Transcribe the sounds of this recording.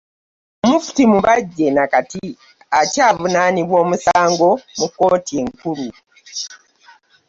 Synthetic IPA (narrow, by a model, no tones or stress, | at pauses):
mufu̥timuβaɟːenakati | acaːβunaniβwo̞ːmusaːŋɡo̞muko̞ːtie̞ŋkuɾu